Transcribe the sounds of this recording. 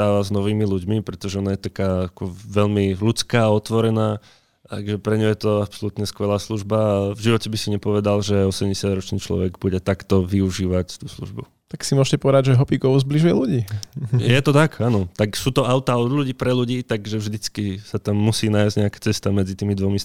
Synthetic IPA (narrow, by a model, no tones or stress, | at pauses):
aːʋaznɔʋiːmiluɟmipɾɛt̪ɔʒɛɔnajɛt̪akaːakɔʋɛʎmilut͡skaːɔt̪ʋɔɾɛnaː | t̪a̰ɡʒɛpɾɛɲɔjɛt̪ɔapsɔlut̪ɲɛskʋɛlaːsluʒbavʒiʋɔcɛbisiɲɛpɔʋɛd̪alʒɛɔsɛmɟɛsɪad̪ɾɔt͡ʃniːt͡ʃlɔ̰ʋɛɡbuɟɛt̪akt̪ɔʋiuʒiːʋact̪uːslṵʒbu | t̪aksimʊɔʃcɛpɔʋɛd̪aɟʒɛɦɔpiɡɔʋuzbliʒujɛluɟiːjɛt̪ɔt̪akanɔt̪aksuːt̪ɔaʊt̪aɔd̪luɟiːpɾɛʎuɟiːt̪aɡʒɛvʒd̪it͡skisat̪amːusiːnaːjzɟɲɛakḁt͡sɛst̪amɛd͡zit̪iːmid̪ʋɔmi